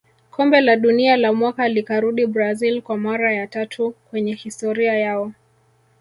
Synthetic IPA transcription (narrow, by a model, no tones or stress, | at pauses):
kʰɔmbɛlaɗunialamwakalikaɾuɗibɾazilkwamaɾajatatʰukwɛɲɛhistɔɾiajaɔ